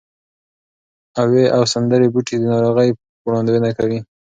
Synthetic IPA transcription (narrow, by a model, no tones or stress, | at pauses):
aweʔawsand̪əɾebuʈed̪ənɑɾoɣəj | wɽɑnd̪wənakawi